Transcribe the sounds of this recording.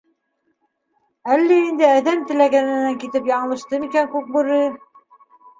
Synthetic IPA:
ælːæind̪ɘæðæmt̪ɘ̆læɡænɘ̆næŋkit̪ɘpjɑɴɤ̆lˠɤ̆ʃt̪ɤmikæŋkʉk̚buɾɘ

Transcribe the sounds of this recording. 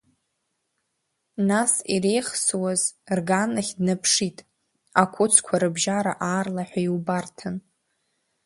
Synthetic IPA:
nasiɾe̞jχswazrɡanɨχʲdnapʰʂitʼ | akʷʰʊt͡sʰkʷʰaɾɨbʒaɾa̰ʔaːrlaħʷᶣaiwbartʰan

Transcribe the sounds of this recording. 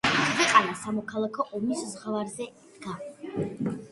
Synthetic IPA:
vɛqʼanasamɔkʰalˠakʰɔʔɔmiszʁavaɾzɛd̪̥ɡa

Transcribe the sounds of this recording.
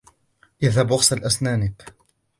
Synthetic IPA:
jɪðhabʔʊqsalʔasnaːnɪb

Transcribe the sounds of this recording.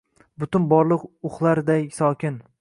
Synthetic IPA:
bʊt̪ʊnbɒɾlˠɨqʊχlˠaɾd̪ajsɒkʲʰɪn

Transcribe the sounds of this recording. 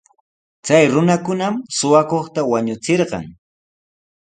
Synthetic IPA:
t͡sajɾʊnakʊnamsʊwakoχt̪awaɲʊt͡seɾɢɑ̰ŋ

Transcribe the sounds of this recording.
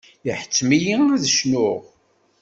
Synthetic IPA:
jəħə̥t͡sːmiliðəʃnʊʁ

